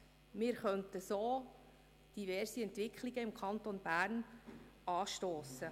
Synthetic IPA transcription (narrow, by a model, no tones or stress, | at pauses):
mɪːɾχœnt̪əsoː | d̥ivɛrsiɛntʋɪkχliɡəɪmkʰɑnt̪onbæːɾn | ɑːʃtoːsə